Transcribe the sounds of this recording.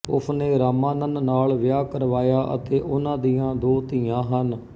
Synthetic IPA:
ʊ̰sʰneːɾaːmãːnənnaːlʋɪjaːkəɾʋaːjaːʔə̰t̪eːʔʊnãːd̪iːãːd̪oːt̪iːãːɦən

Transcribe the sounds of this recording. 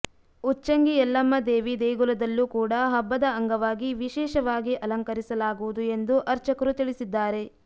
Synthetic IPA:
ut͡ʃːɐŋɡiɛlːɐmːɐd̪e̞ːʋid̪eːɡulɐd̪ɐlːuːkuːɽɐɦɐbːɐd̪ɐɐŋɡɐʋaːɡiʋiʃɛːʃɐʋaːɡiʔɐlɐŋkɐɾisɐlaːɡuʋud̪ue̞nd̪uʔɐɾt͡ʃɐkɐɾut̪iɭisid̪ːaːɾe̞

